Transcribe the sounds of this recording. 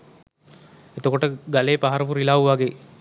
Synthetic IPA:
et̪okoʈəɡaleːpaɦaɾəpuɾilaːuʋaɡeː

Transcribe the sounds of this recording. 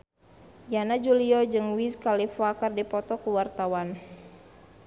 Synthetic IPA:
janad͡ʒuliɔd͡ʒɨŋwiskalifakardipɔt̪ɔkuwart̪awan

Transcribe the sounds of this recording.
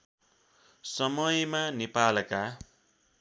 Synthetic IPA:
sʌmʌjmanipalka

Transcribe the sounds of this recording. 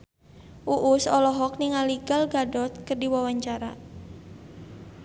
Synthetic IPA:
ʔuʔusɔlɔɦɔk̚niŋaliɡalɡadɔt̪̚kərdiwawaɲt͡ʃaɾa̰

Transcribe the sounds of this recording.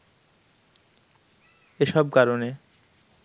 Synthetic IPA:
eʃɔb̚kaɾone

